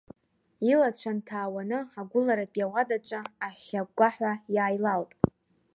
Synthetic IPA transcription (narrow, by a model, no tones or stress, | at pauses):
ilat͡ɕʷʰantʰaːwanɨaɡʷʊlaɾatʼjawadat͡ʃʷʼaaχʲaɡʷaħᶣʷajaːjlaltʼ